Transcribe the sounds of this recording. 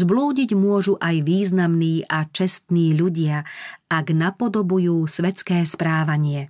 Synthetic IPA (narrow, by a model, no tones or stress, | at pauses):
zbluːɟiɟmʊɔʒuʔajʋiːznamniːʔat͡ʃɛst̪niːʎuɟɪaaɡnapɔd̪ɔbujuːsʋɛt͡skɛːspɾaːʋaɲɪɛ